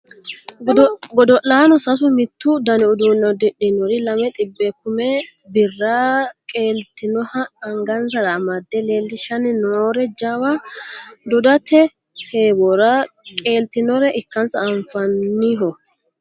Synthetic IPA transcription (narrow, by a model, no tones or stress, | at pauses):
ɡɔd̪ɔʔaːnɔsɐsʊmɪt̪ːʊd̪ɐnɛʊd̪unːɔd̪ɪᶑɪnɔɾɪlɐmɛt̪ʼɪbːɛkʊmɛ | bɪrːaːkʼeːlt̪ɪnɔhɐɐŋɡɐnsɐɾɐmɐd̪ːɛle̞ːlːɪʃɐnnoːɾɛd͡ʒawɐ | d̪ɔd̪ɐt̪ʰɛ | heːbɔɾɐkʼe̞ːlt̪ɪnɔɾɛʔɪkːɐnsɐːɱfɐnːiɦɔ